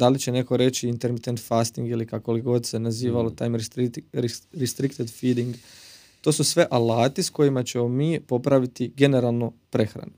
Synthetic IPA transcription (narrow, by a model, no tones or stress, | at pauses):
d̪alit͡ɕene̞ko̞ɾe̞t͡ɕiːnt̪e̞ɾmit̪ent̪fast̪iŋɡilikako̞liɡo̞d̪se̞naziːʋalo̞t̪aːjmɾɾ | ɾist̪ɾikt̪ed̪fid̪iŋɡ | t̪o̞ːsusʋe̞ʔalaːt̪isko̞jimat͡ɕe̞mo̞miːpo̞pɾaʋit̪iɡe̞ne̞ɾalˠnopɾe̞xɾa̰nu